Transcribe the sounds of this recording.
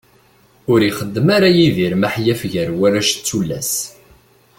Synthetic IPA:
ʊɾiχəd̪ːəmaɾajiðiɾmaħjæfʝəɾwæɾæʃt͡sːulːæ̰s

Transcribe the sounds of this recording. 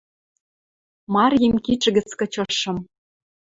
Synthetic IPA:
mɑrjimkit͡ʃəɣɘ̆t͡skɤ̆t͡ɕɤ̆ʃɤ̆m

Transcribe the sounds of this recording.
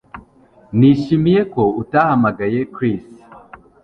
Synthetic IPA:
niʃimije̞ko̞utahamaɡaje̞kɾis

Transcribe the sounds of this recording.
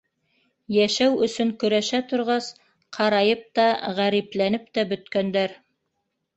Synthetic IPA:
jæʃæwɵ̆sɵŋkɵ̆ɾæʃæt̪ŏɾʁɑs | qʰɑɾɑjɤp̚t̪ɑʁæɾiplænɘp̚t̪æbɵ̆t̪kænd̪æɾ

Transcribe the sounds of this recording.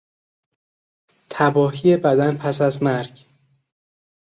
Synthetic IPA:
t̪ʰæbɒːɦije̞bæd̪ænpʰæsæzmæɾɟ

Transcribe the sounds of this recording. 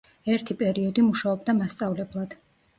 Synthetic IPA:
ɛɾt̪ʰipʼɛɾiɔd̪imuʃaɔbd̪amast̪sʼavlɛblˠad̪̥

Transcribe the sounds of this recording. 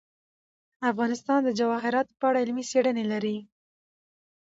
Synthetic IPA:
afɣɑnɪst̪ɑnd̪əd͡ʒawɑɦɪɾɑt̪pəaɽaɪlmiseɽənelaɾi

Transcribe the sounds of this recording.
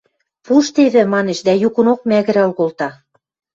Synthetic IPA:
puʃt̪eβɘ̆mɑneʃd̪æjukɤ̆nok̚mæɣɘ̆ɾɑlɣolt̪ɑ

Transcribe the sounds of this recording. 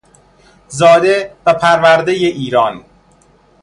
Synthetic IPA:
zɒːd̪e̞væpʰæɾvæɾd̪ejeʔiːɾɒːn

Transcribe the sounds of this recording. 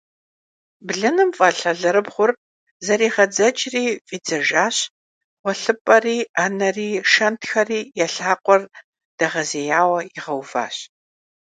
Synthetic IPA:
bɮɐnɨmfʼɐɬɐɮɐɾɨbʁʷʊr | zɐɾiːʁɐd͡zɐt͡ʃʼriːfʼiːd͡zɐʒaːɕ | wʷɔɬɨpʼɐriːanɐriːʂɐntʰxɐriːjɛɬaːqʷʼɔr | d̥ɐʁɐzeːjaːwɐiʁɐwva̰ːɕ

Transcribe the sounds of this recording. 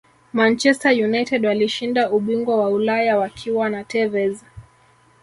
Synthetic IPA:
mant͡ʃɛstajunajtɛdwaliʃindauɓiŋɡwawaulajawakʰiwanatɛvɛza

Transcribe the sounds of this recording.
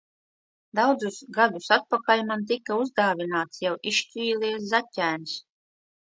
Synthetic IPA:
d̪awd̪zusɡad̪usat̪̚pakalʲmant̪̬ikːauzd̪aːvʲinaːt̪sjawʔiʃt͡ʃʲiːlˠiɛs̬zatʲːæːns

